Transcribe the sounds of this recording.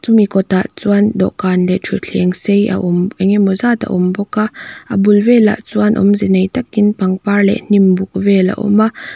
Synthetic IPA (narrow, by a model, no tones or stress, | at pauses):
t͡sumikɔt̪aʔt͡suandɔ̰ʔkaːnlɛtʰuɬʰiɛŋseja̰ʔɔmaŋɛmɔzat̪a̰ʔumbɔkaʔabulvɛla̰ʔt͡suanʔɔ̰mzɛnejt̪akːinpaŋpaɹlɛ̰ʔnimbuk̚vɛla̰ʔɔ̰ma